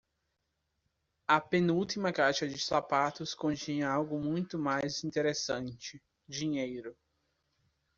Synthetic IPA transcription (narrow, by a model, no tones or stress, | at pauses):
ɐpẽnuwt̪imɐkaʃɐd͡ʒɪsapat̪ʊskõnt͡ʃĩɲɐawɡʊmũj̃t̪ʊmajzĩnt̪eɾesɐ̃nt͡ʃɪ | d͡ʒiɲejɾʊ